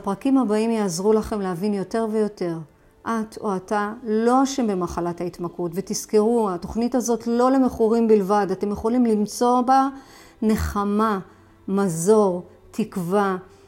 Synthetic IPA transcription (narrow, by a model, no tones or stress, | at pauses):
apʁakimhabaimjaːzʁulaχe̞mleavinjo̞te̞ʁvejo̞te̞ʁ | ʔatʰoatalo̞aʃembemaχalathaitmakutvetiskeʁuato̞χnitazo̞tlo̞le̞me̞χuʁimbilvadate̞mje̞χolimlimt͡so̞ba | ne̞χama | mazo̞ʁ | tikva